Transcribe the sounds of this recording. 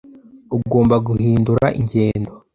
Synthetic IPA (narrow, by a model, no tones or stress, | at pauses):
uɡo̞ːmbaɡuhiːnduɾaʔiɲɟe̞ːndo